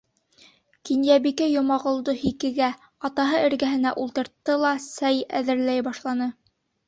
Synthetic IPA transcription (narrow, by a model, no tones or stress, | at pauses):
kinjæbikæjŏmɑʁŏlˠd̪ohikɘ̆ɡæ | ɑt̪ɑɦɤɘ̆ɾɡæɦɘ̆næʔulˠt̪ɤ̆ɾt̪ːɤlˠɑsæjæ̰ðɘ̆ɾlæjbɑʃlˠɑnɤ